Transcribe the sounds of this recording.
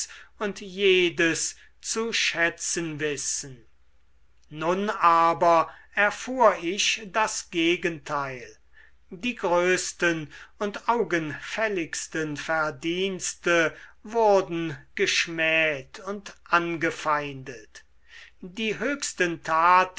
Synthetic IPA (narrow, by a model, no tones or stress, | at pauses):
ʊntjeːdəs | t͡suʃɛt͡sənvɪsən | nʊnaːbɐɛɐfuːɐɪɕdasɡ̥eːɡəntʰaɪl | diːɡʁøːstənʊntaʊɡənfɛlɪkstənfæɐdiːnstəvʊʁdn̩ɡ̥əʃmɛːtʰʊntʔanɡəfaɪndət | diːɦøːkstəntʰaːt